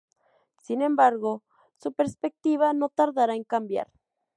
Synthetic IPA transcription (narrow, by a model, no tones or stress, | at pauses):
sinembaɾɣo | supeɾspek̚t̪iβanot̪aɾðaɾaeŋkambja̰ɾ